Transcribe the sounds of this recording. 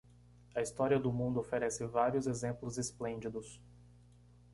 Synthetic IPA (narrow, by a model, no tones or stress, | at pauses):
ɐist̪ɔɾiɐd̪ʊmũd̪ʊofeɾɛsɪvaɾiʊzezẽmplʊzesplẽnd͡ʒid̪ʊs